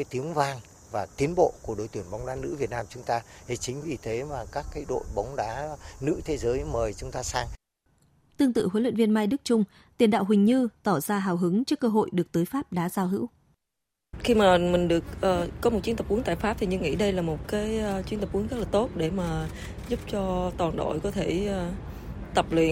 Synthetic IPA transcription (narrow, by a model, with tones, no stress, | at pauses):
aː˨˦jt̪i˨˦əŋvaː˧ŋ | vaː˨˩t̪i˨˦ənɓo̰˧˨ku˧˩əɗo̰˨˧˩jt̪i˧˩ənɓa˨˦wŋ͡mɗaː˨˦nɨ̰˧˥vi˨˩ət̚naː˧mt͡ɕʊ˨˦ŋ͡mt̪aː˧hi˨˩t͡ɕï˨˦ŋ̟vi˨˩t̪ʰe˨˦maː˨˩kaː˦˥kːaː˨˦jɗo̰˧˨jɓa˨˦wŋ͡mɗaː˨˦nɨ̰˧˥t̪ʰe˨˦zəː˨˦jməː˨˩jt͡ɕʊ˨˦ŋ͡mt̪aː˧saː˧ŋ | t̪ɨ˧əŋt̪ɨ̰˧˨ɦwə˨˦lwə̰˧˨nvi˧ənmaː˧jɗɨ˦˥k̚t͡ɕʊ˧ŋ͡m | t̪i˨˩ənɗa̰ː˧˨wɦwï˨˩ŋ̟ɲɨ˧t̪ɔ˧˩zaː˧ɦaː˨˩wɦɨ˨˦ŋt͡ɕɔ˧˦˥kəː˧ɦo̰˧˨jɗɨ˨˩ək̚t̪əː˨˦jfaː˦˥p̚ɗaː˨˦zaː˧wɦɨ̰˧˥w | xi˧maː˨˩mï˨˩ŋ̟ɗɨ˨˩ək̚ʔəː˨˩ɔ˨˦mo˨˩t̚t͡ɕi˨˦ənt̪ə˨˩ʔu˨˦əŋt̪a̰ː˧˨faː˦˥p̚t̪ʰi˨˩ɲɨ˧ŋḭ˧˥ɗə˧jlaː˨˩mo˨˩t̚kaː˨˦jt͡ɕwi˧˦ənt̪ə˨˩pʔu˨˦əŋzə˦˥laː˨˩t̪o˦˥t̚ɗe˧˩maː˨˩ | zu˦˥p̚t͡ɕɔ˧t̪waː˨˩nɗo̰˧˨jkɔ˨˦t̪ʰe˧˩˧ | t̪ə˨˩p̚lwḭ˧˨ə